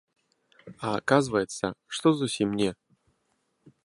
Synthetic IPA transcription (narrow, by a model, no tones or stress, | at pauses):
aːkazɨvəjɛt̪sɐʂt̪ɔzusʲimnʲɛ